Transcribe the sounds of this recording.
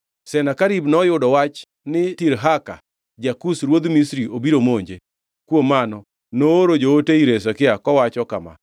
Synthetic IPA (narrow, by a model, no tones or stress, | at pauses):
sɛnakaɾibnɔjʊdɔwat͡ʃ | nɪtiɾɦaka̰ | d͡ʒakusɾwod̪misɾiʔobiɾomoɲd͡ʒe | kwomːanɔ | nooɾod͡ʒooteiɾesakɪakɔwat͡ʃɔka̰ma̰